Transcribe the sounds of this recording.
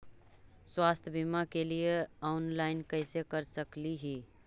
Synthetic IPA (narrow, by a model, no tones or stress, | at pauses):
swast̪ʰjbimakelijeaʊnlaɪnkəɪsekəɾsəkliɦi